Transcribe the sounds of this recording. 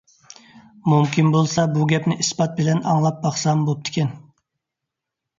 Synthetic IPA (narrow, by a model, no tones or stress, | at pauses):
mumkʲʰinbolˠsɑbuɡʲɛpnɪʔispɑt̪̚bɪlɛnɑ̰ŋlˠɑp̚bɑχsɑmbolp̚t̪ʰɪ̥kʲɛn